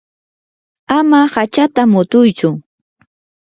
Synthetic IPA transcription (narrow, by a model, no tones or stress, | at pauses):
amahat͡ʃat̪amʊt̪ʊjt͡ʃʊ